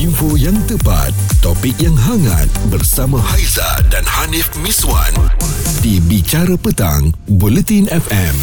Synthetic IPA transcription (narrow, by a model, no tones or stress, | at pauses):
infojaŋt̪əpa̰t̪̚ːɔpik̚jaŋɦaŋa̰t̪̚bərsamãhajza̰danhanifmĩswa̰ndibit͡ʃaɾapət̪a̰ŋbolɛt̪inɛfɛm